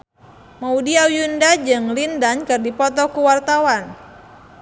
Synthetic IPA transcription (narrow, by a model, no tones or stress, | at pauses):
maudiawjundad͡ʒɨŋlindankɨrdipɔt̪ɔkuwart̪awan